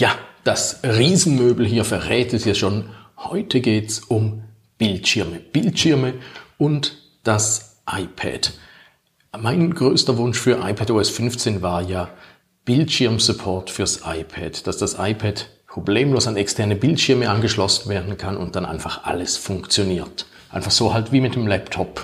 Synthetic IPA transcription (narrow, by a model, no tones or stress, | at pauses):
jad̥asʁiːzn̩møːbl̩ɦiːɐfɛɐʁɛːtɛsjɛʃoːnhɔ̰ʏtʰəɡeːtsʊm | b̥ɪltʃɪɐməb̥ɪltʃɪɐməʊnt | d̥as | ʔaɪpʰɛ̰d | maɪnɡʁøːstɐvʊnʃfyːɐʔa̰ɪpʰɛtoːɛsfʏnft͡seːnvaːɐjaː | b̥ɪltʃɪɐmsupʰɔɐtfyːɐsʔa̰ɪpʰɛ̰dd̥asd̥asʔa̰ɪpʰɛdpʁ̥obleːmloːsanɛkstʰɛɐnəbɪltʃɪɐməʔanɡəʃlɔsn̩veːɐdn̩kʰanʊ̰nt̚d̥anʔa̰ɪnfaχʔa̰ləsfʊŋkt͡sjoniːɐt | ʔaɪnfaχsoːhaltviːmɪt̚d̥əmlɛptʰɔp